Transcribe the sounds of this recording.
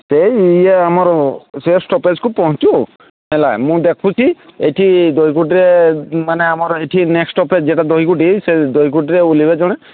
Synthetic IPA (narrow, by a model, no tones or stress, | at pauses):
sejjeamɔɹsesʈɔped͡ʒkupɔɦɔ̃t͡ʃu | mɛlajmũd̪ekʰũt͡ʃʰieʈʰid̪oɦik̬uʈ̬iɾemaneamɔɾeʈʰineksʈɔped͡ʒd͡ʒeʈad̪oɦik̬uʈised̪oɦikuʈiɾeulibed͡ʒɔɽ̃ɛ